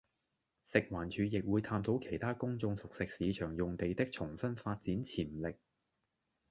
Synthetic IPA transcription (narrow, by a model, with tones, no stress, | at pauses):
sɪ˨k̚waː˨˩nt͡ʃʰyː˨˧jɪ˨k̚wuː˨˧jt̪ʰaː˧mt̪ʰo˨˥wkʰe˨˩jt̪ʰaː˥kʊ˥ŋt͡sʊ˧ŋsʊ˨k̚sɪ˨k̚siː˨˧t͡ʃʰœː˨˩ŋjʊ˨ŋt̪e˨jt̪ɪ˥k̚t͡sʰʊ˨˩ŋsɐ˥nfaː˧t̚t͡siː˨˥nt͡sʰiː˨˩nlɪ˨k̚